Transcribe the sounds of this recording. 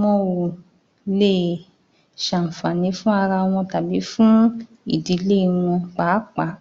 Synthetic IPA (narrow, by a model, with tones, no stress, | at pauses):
ɔ̃˦wo˨ | le˦˨ | ʃa˨m̩˨fa˨nĩ˨˦fũ˦a˧ɾa˧w̃ɔ̃˧ta˨bi˨˦fũ˦ | ḭ˨di˨˧˦le˦˨w̃ɔ̃˧k͡pa˨˦k͡pa˨˦